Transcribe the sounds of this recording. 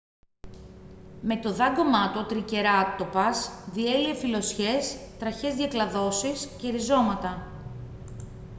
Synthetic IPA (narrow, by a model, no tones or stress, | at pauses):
me̞t̪o̞ðɐɡo̞mɐt̪ot̪ɾice̞ɾɐt̪o̞pɐsðie̞liefilo̞sçe̞st̪ɾɐçe̞zðʝɐklɐðo̞sisceɾizo̞mɐt̪ɐ